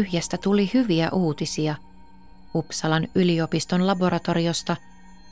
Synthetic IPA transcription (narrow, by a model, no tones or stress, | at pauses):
yhjest̪æt̪ulihyʋiæʔuːt̪isiɑ | upsɑlɑnylio̞pist̪o̞nlɑbo̞ɾʔɑt̪o̞ɾio̞st̪ɑ